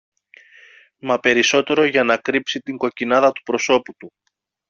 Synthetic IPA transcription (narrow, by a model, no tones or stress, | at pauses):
mɐpe̞ɾiso̞t̪e̞ɾo̞ʝɐnɐkɾipsit̪iŋɡo̞cinɐðɐt̪u̥pɾo̞so̞put̪u